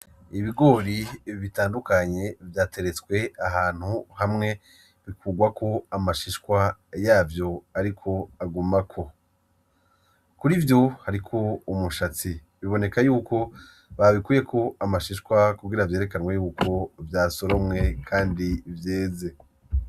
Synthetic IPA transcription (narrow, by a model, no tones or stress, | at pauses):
iβiɡo̞ɾiiβitaːndukaɲe̞vjaːte̞ɾe̞t͡skwe̞aɦaːn̥huhamŋe̞ | βikuːɡwakʰo̞amaʃiʃkwajaːvjo̞aɾikʰo̞aɡumakʰo̞ | kuɾivjo̞haɾikʰo̞umuʃat͡si | βiβo̞ne̞kajuːkʰo̞ | βaβikuːje̞kʰo̞amaʃiʃkwakuɡiɾavje̞ːɾe̞kanwejuːkʰo̞vjaːso̞ɾo̞mŋe̞kʰaːndivjeːze̞